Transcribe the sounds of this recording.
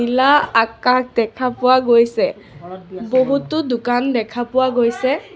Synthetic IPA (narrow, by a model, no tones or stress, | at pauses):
ilaakak̚dɛkʰapʊwaɡojsɛ | boɦutʊdʊkandɛkʰapʊwaɡojsɛ